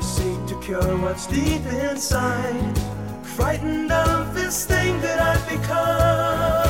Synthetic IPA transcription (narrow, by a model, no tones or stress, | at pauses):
ɨsik̚tʰɨkʰɜɹwʌtsd̥ipɪ̃nsaɪ̃n | fɹaɪʔn̩daɾʌvðɪsθɪ̃ŋðɨɾaɪbɨkʰʌ